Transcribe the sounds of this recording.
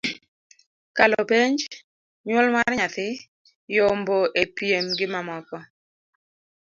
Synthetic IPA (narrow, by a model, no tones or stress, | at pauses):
kalɔpeɲd͡ʒ | ɲwɔlmarɲat̪ɪ | jomboʔepjemɡɪmamɔkɔ